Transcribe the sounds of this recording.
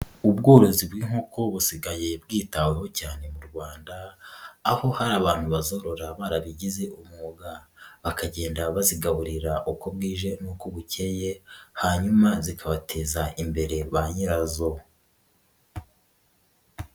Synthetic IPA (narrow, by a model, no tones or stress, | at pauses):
ubɡo̞ːɾozibwiːŋ̥hoko̞βusiɡaje̞bɡiːtaweho̞caːne̞muɾɡwaːndaː | ho̞haɾaːβaːn̥huβazo̞ɾo̞ɾaβaːɾaβiɟize̞ʔumŋoːɡaβakaɟe̞ːndaβaziɡaβuɾiɾaʔuko̞bɡiːʒe̞nuːkoβuce̞je̞haɲumazikʰaβatʰe̞ːzaʔimbe̞ɾe̞βaɲiɾazo̞